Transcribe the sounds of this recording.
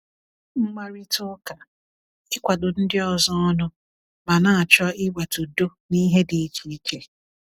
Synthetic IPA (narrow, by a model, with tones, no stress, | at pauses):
ŋ͡m̩˦ma˨ɾi˦tʊ˦ka˨ | ɪ˦kʷa˨dʊ˨n̩˦dɪ˦ɔ˨zɔ˦ɔ˦nʊ˦ | ma˨na˦a˨t͡ʃɔ˦ɪ˦wa˨tu˨do˦ | ni˦ɦe˦di˨˦t͡ʃi˨˦t͡ʃe˨